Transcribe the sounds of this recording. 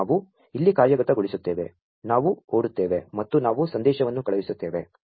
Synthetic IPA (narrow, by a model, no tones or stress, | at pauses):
ʋu | ilːikaːɾjɐɡɐt̪ɐɡoɭisut̪ːeːʋe̞̰ | naːʋuoːɽut̪ːe̞ːʋe̞mɐt̪ːunaːʋusɐnd̪ɛːʃɐʋɐnːukɐɭɐʋisut̪ːe̞ːʋe̞